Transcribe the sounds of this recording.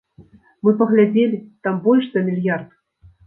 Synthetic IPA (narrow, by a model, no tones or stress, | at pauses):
mɨpɐɣlʲad͡zʲelʲit̪ambɔlʲʂzɐmʲilʲjart̪